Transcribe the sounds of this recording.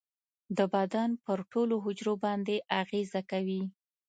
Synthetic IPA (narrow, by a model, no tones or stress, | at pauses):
d̪əbad̪ɑnpəɾʈoloɦʊd͡ʒɾobɑnd̪eʔaɣezakawi